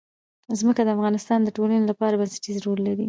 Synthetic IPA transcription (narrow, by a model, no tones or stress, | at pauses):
zməkad̪əafɣɑnɪst̪ɑnd̪əʈolanelapɑɾabansɪ̥ʈizɾolːaɾi